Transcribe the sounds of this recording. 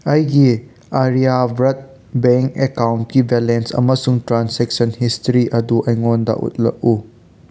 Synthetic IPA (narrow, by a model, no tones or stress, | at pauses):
ɐjɡi | aɾijabɾɐt̚ | beŋkekawnt̚kibelensɐ̰mɐsuŋtɾansek̚sɐnhistɾiʔɐduʔɐjŋondɐ̰ʔṵt̚lɐ̰k̚u